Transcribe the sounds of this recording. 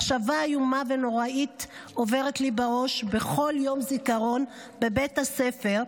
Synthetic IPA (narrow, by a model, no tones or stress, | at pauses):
χʃavajumave̞no̞ʁaito̞ve̞ʁetlibaʁo̞ʃbe̞χo̞ljo̞mzikaʁo̞n | bebe̞thase̞fe̞ʁ